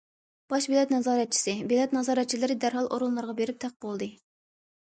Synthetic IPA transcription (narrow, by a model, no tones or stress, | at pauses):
b̥ɑʃbelɛt̪nɑzɑːɾɛt̪̚t͡ʃʰi̥sɨbelɛt̪nɑzɑːɾɛt̪̚t͡ʃʰilɪɾɪd̪æɾɦɑlˠʔo̰ɾunˠlːˠɑɾʁɑbeɾɪp̚t̪ʰæq̚bolˠd̪ɨ